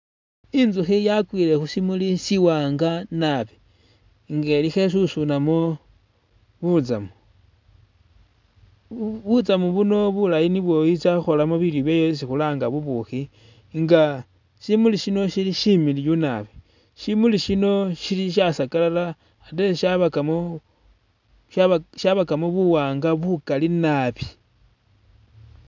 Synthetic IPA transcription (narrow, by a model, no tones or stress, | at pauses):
inzuxijakwile̞xusimulisiwaːŋɡanaβi | ŋɡe̞lixe̞s̬usunamo | βut͡sa̰mu | βut͡samuβuno̞βulajiniβwo̞it͡saxo̞lamuβiljoβjejois̬ixulaːŋɡaβuβuxi | ŋɡa | ʃimuliʃino̞ʃiliʃimilijunaβi | ʃimuliʃino̞ʃiliʃ̬asakalala | ateʃaβakam | ʃaʃaβakamoβuwaːŋɡaβukalinaβi